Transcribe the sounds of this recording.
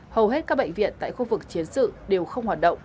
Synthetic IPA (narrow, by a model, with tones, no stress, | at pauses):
hə˨˩whɦe˦˥t̚kaː˦˥k̚ɓə̰˧˨ŋ̟vḭ˧˨ənt̪a̰ː˧˨jxu˧vɨ˨˩k̚t͡ɕi˨˦ənsɨ̰˧˨ɗe˨˩wxə˧wŋ͡mhwaː˨˩t̚ɗə̰˧˨wŋ͡m